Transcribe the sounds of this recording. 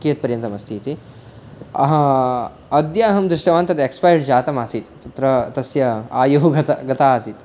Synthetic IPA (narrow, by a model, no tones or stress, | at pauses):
kijɐt̪̚pɐɾjɐnt̪ɐmɐst̪ʰiːt̪i | ɐɦɐ | ɐd̪jaːɦɐmd̪ɾuʂʈɐʋaːnt̪ɐt̪ekspajɖd͡ʒaːt̪ɐmaːsiːt̪t̪ɐt̪ɾɐt̪ɐsjɐaːjuɦuɡɐt̪ɐɡɐt̪aːsiːt̪